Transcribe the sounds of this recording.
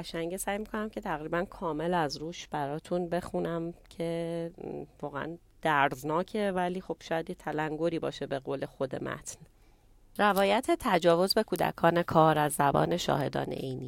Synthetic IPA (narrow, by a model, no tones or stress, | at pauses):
æʃæŋɟesæːjmikʰo̞næmcʰe̞t̪ʰæɣɾiːbænkʰɒːme̞læzɾuːʃb̥æɾɒːt̪ʰunbe̞xunæmcʰe̞ | vɒːɣeʔæ̰n | d̪̥æɾznɒːcʰe̞væliːxo̞b̥ʃɒːjæd̪jet̪ʰælæŋɡoɾiːbɒ̰ːʃe̞be̞ɣoːle̞xod̪e̞̰mʔæ̰t̪ʰn | ɾævɒːjæt̪ʰe̞t̪ʰæd͡ʒɒːvo̞zbe̞kʰuːd̪æ̰kʰɒːne̞kʰɒːɾæzːæbɒ̰ːne̞ʃɒ̰ːhe̞d̪ɒ̰ːnḛʔejniː